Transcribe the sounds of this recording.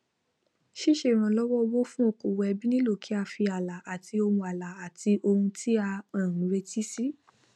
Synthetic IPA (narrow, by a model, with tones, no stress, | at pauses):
ʃi˦ʃe˦˨ɾ̃ã˨lɔ˦wɔ˦˧wo˦fũ˦o˦˨ko˨wɛ˧bi˦nĩ˦lo˦˨kʰi˨˦a˦˧˨fi˧a˨la˨a˨ti˧o˧ũ˧a˨la˨a˨ti˧ʔo˧hũ˧tʰi˦a˧ã˨ũ˨˦ɾe˧ti˦si˦